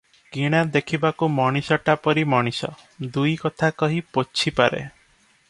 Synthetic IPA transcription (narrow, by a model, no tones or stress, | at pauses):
ɡiɽ̃ad̪ekʰibakumɔɽ̃isɔʈapɔɾimɔɽ̃isɔ̰ | d̪ujkɔt̪ʰakɔɦipot͡ʃʰipaɾḛ